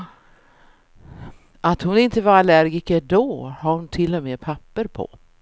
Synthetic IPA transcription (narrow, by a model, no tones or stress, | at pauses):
ʔat̪hʊnɪnt̪əvaɾalæɾɡɪkɛɖɔːhaɾhʊnt̪ʰɪlːɔmeːpʰapːəɾpʰɔ̰